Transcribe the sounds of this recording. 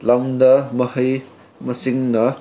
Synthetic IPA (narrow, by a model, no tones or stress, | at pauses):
lawmdɐmɐhɐj | mɐsiŋnɐ